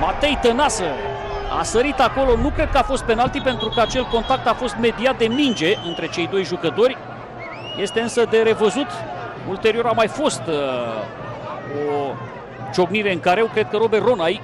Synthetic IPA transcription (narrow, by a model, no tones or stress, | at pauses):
mat̪e̞jt̪ənasə | a̰səɾit̪ako̞lo̞nukɾe̞d̪̚kəafo̞st̪̚pe̞nalt̪ipe̞nt̪ɾukəat͡ʃe̞lko̞nt̪ak̚t̪afo̞st̪me̞d̪iat̪̚d̪e̞mind͡ʒe̞ʔɨnt̪ɾe̞t͡ʃe̞jd̪o̞jʒukət̪o̞rʲ | je̞st̪e̞ɨnsəd̪e̞ɾe̞vəzut̪ | ult̪e̞ɾio̞ɾamajfo̞st̪ | o | t͡ʃo̞ɡniɾe̞ɨŋkaɾewkɾe̞d̪̚kəɾo̞bero̞naj